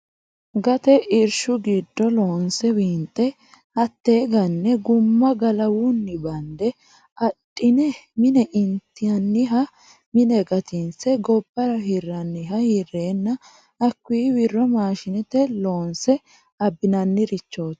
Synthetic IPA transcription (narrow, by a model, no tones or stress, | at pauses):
ɡɐt̪ɛʔɪɾʃʊɡiːd̪ːɔlo̞ːnsɛwiːnt̪ʼːɛ | hɐt̪ːeːɡɐnːɛɡʊmːɐɡɐlɐwʊnːɪbɐnd̪ɛ | ʔɐtʼːɪnɛmɪnɛʔɪnt̪ːɪjɐnːɪɦɐ | mɪnɛɡɐt̪ɪnsɛɡɔbːɐɾɐɦirːɐnːɪɦɐhɪrːe̞ːnːɐ | ɐkːwiːwɪrːɔmaːʃɪnɛt̪ɛlo̞ːnsɛ | ɐbːɪnɐnːɪɾɪt͡ʃːo̞ːt̪ː